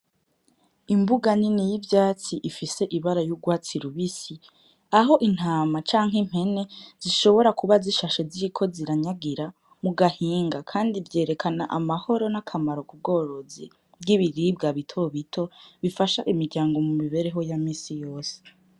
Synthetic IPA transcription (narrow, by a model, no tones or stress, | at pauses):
imbuɡaninejivjaːt͡siʔifise̞ʔiβaɾajuɡwaːt͡siɾuβisi | aɦo̞ʔin̥haːmat͡ʃaːŋ̥ɦem̥he̞ne̞z̥iʃo̞βo̞ɾakuβaziʃaʃeziikʰo̞ziɾaɲaɡiɾa | muɡahiːŋɡakʰaːndivje̞ːɾe̞kʰana̰ʔamaho̞ɾo̞nakʰamaɾo̞kub̚ɡo̞ːɾo̞zḭ | bɡiβiɾib̚ɡaβitʰo̞βitʰo̞βifaʃaʔimiɾɟaːŋɡo̞mumiβe̞ɾe̞ɦo̞jamiːsijo̞ːse̥